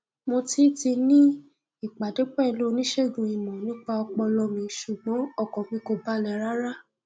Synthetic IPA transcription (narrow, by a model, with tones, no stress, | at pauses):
mo˧ti˦ti˧nĩ˦ | i˦˨k͡pa˨de˨˦k͡pɛ˦˨i˧lo˦˧nĩ˦ʃe˦˨ɡũ˧i˨mɔ̃˨nĩ˦k͡pa˧ɔ˧k͡pɔ˧lɔ˧mĩ˧ʃu˨ɡ͡bɔ̃˨˦ɔ˦˨kɔ̃˨mĩ˧˦ko˧ba˦lɛ˧ɾa˦ɾa˦